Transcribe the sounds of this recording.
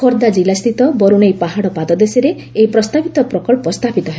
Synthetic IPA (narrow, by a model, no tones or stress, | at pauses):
kʰoɾd̪ad͡ʒilast̪ʰit̪ɔbɔɾuñejpaɦaɽɔpad̪ɔd̪eseɾe | eipɾɔst̪abit̪ɔpɾɔkɔɭpɔst̪apit̪ɔɦe